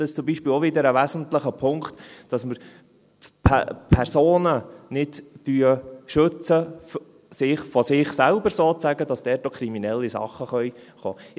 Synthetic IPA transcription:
dɑɪʃt͡sʊmbiʃpɪːloʋɪd̪əɾəʋæzən̩tləχəpʰʊŋkχt̪d̥ɑsməɾ | tpʰpʰɛrsoːnənɪdd̥yəʃɵt͡səf | sɪχfɔsɪχsælbəɾsoːt͡sæɡədɑsd̥ɛːɾtːokʰɾiminɛlːisɑ̰χːəχœʏχo̰ː

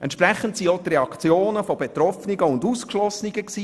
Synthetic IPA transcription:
ʔɛ̰ntʃpɾɛχən̩tsiot̪rɛɑkt͡sjoːnəfobet̪ɾɔfniɡəʊnduskʃlɔsniɡ̥əksiː

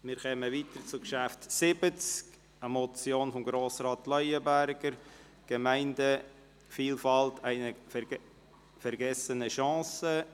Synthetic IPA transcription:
mɪːɾkɛməviːtəɾt͡sukʃæftsɪbət͡sk | əmɔt͡sjoːnfɔmɡɾoːsrɑːtlœʏəbæɾɡəɾ | ɡ̥əmæɪndə | fiːlfɑltʰæɪnə | fɛɾɡɛsənəʃɑ̃ːsə

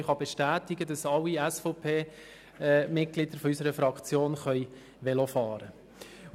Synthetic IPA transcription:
χɑb̥ɛʃtæːtɪɡədɑsɑlːiɛsfɔpʰeː | mɪt̚ɡ̥lɪd̪̥əɾfɔysəɾəfɾɑkt͡sjoːnχœʏj | ʋɛlɔfɑːɾə

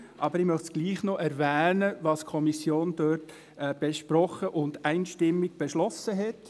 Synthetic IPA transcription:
ʔɑbəɾɪmœχtsɡ̥liːχnɔʔɛɾvɛːnəʋɑːskʰɔmisjoːnd̥øːtː | b̥ɛʃpɾɔχəʔʊndæɪnʃtɪmːiɡ̥̚b̥ɛʃlɔsəɦɛt

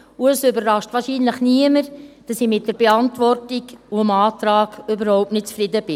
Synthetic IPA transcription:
ʊəsøbərrɑʃtvɑːʃiːnləχniəməɾd̥ɑsɪmɪt̚d̥əɾb̥eɑntʋɔrtiɡuəmɑːtɾɑːɡøbəɾhoʊp̚tnɪt̚t͡sfɾɪdəb̥ɪ

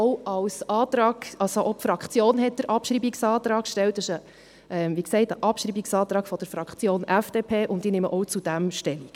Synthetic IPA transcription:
ɔʊɑwsɑːtɾɑːɡ̥ɑlsoʔɔpfɾɑkχt͡sjoːnɦɛt̚d̥əɾʔɑpʃɾiːbiksɑːt̪ɾɑːkkʃtɛwt̚dəʃə | ʔɛmʋiksɛɪtəʔɑpʃɾiːbiksɑːt̪ɾɑːɡ̥fɔd̥əɾfɾɑkχt͡sjoːnʔæfd̥eːpʰeːʔʊntiːnɪmə̰ʔɔwt͡sud̥æmʃtɛm

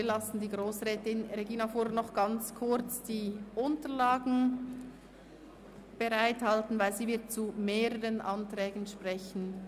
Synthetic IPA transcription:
lasn̩diːɡʁoːsʁɛːtɪnreɡiːnafuːɾənɔχɡ̥ɑnt͡skʰʊɾt͡sd̥iːʔʊntəlaːɡn̩ | b̥eʁaɪthaltn̩vaɪlziːvɪɐt̚t͡sumeːʁəʁənʔɑntʁ̥ɛːɡn̩ʃpʁɛçn̩

